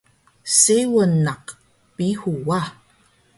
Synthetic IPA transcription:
sewənaq | pihua

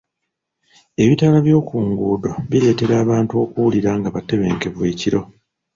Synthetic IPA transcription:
e̞βitaːlaβjo̞ːkuːŋɡuːdoβiɾe̞ːte̞ɾaːβaːntuo̞ːkuwuliɾaŋɡaβate̞βe̞ːŋke̞βweːciɾo̞

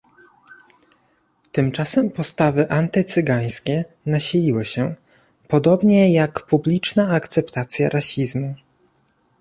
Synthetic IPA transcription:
t̪ɘmt͡ʂasɛmpɔst̪avɘʔant̪ɘt̪sɘɡaj̃skʲɛ | naɕilʲiwɘɕɛ | pɔd̪ɔbɲɛjakpublʲit͡ʂnaːkt̪sɛpt̪at̪sʲja̰ɾʔaɕizmu

